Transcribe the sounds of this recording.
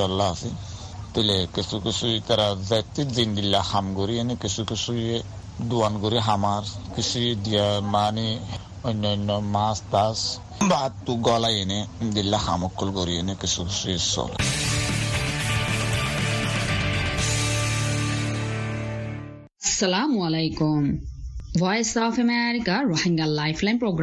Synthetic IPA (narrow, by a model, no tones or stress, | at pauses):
ɔlːaːsi | t̪ilekisukisuit̪aɾazɛt̪ːizind̪ilːaxamɡɔɾiɛnekisukisuje | d̪uanɡɔɾiɦamaɾkisujed̪iamani | ɔnːɔnːɔmast̪as | bat̪t̪uɡɔlajened̪ilːaha̰mɔkʰːɔlɡɔɾienekisʰukisujesɔ̰l̰ | sɐlamualejkum | ʋɔjsɔpʰemeɾikaɾohiŋɡalajpʰlajnpɾoɡɾ